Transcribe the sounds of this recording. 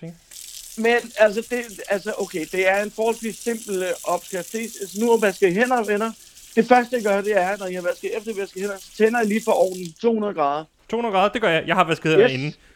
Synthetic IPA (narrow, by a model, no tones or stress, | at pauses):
menæls̬əd̥e̝ælsəʔoʊkʰed̥e̝æɐe̝nfɒːhɒlsʋisse̝m̰b̥l̩ʔɒ̽b̥sɡ̥ʁɛft͡sʰe̝̰ːsesənuɒʋæsɡ̥ðˠɦen̰ɐʋenɐ | d̥e̝fɶɐsd̥əjɑ̈ɡ̥ɶɐd̥e̝æɐnɒjihɑ̈ʋæsɡ̥ð̩ˠefd̥ɐʋæsɡ̥ð̩hen̰ɐsɒ̥t͡sʰen̰ɐjɑliːfɒ̽ʔɒ̰ːd̥n̩t͡sʰo̝̰ːhunɐðˠɡ̥ʁɑ̈ːð̞ˠɐ | t͡sʰo̝̰ːhunɐɡ̥ɑ̈ːðˠd̥e̝ɡ̥ɶɐjɑɪjɑ̈ɪhɑ̈ʋæsɡ̥ð̩ˠheenn̩